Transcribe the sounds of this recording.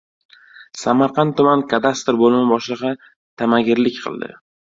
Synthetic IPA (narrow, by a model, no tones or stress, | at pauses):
samaɾqʰɑnt̪t̪ʰːʊmankʰad̪ast̪ɾbolˠɪmɪbɒʃlɨʁɑ | t̪ʰamaɡʲɪɾlɪkʲqʰɨ̰lˠd̪ɪ̰